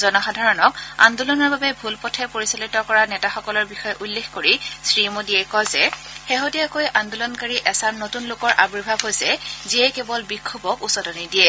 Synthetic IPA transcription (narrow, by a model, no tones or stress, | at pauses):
zɔnɔxadʱaɹɔnɔka̰ndulɔnɔɹbabɛbʱulpɔtʰɛpoɹisalitɔkɔɹanɛtaxɔkɔlɔɹbixɔjɛʔulːexkoɹisɹimodiɛkɔjzɛ | xeɦodijakojʔandulɔnkaɹiʔɛsaɹnotunlʊkɔɹʔabɹiɹbʱabɦojsɛziɛkebɔlbikʰːobɔkusɔdɔnidiɛ